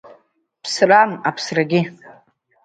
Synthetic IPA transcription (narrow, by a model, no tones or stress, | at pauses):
pʰsramapʰsraɡʲɪ